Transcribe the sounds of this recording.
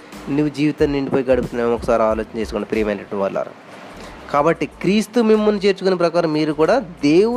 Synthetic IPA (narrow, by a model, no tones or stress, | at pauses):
nuʋːud͡ʒiːʋit̪anːiɳɖipoːjiɡɐɽuput̪unɐemɔkːɐsaːɾiaːlo̞ːt͡ʃɐnɐt͡ʃe̞ːsukuɳɖɐpɾijɐmɐjnɐːunʋa̰ːɾla̰ːɾṵ | kaːbɐʈːikɾiːst̪umimːɐnːit͡ʃe̞ːɾt͡ʃukonep̬ɾɐkaːɾɐmːiːɾukuːɽaːd̪e̞ːu